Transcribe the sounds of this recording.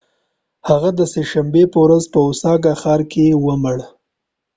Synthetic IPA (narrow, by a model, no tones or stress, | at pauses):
haɣad̪əseʃambepəwɾazpəʊsɑɡaxɑɾkewəməɽ